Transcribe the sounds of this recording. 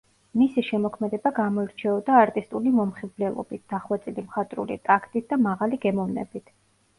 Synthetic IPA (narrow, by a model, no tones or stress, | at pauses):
misiʃɛmɔkʰmɛd̪ɛbaɡamɔiɾt͡ʃʰɛɔd̪aːɾt̪ʼist̪ʼulimɔmχivblɛlˠɔ̰bit̪̚ʰd̪̥aχwat̪sʼilimχat̪ʼɾṵlḭt̪ʼakʰt̪ʼit̪̚ʰd̪amaʁaliɡɛmɔvnɛ̰bit̪ʰ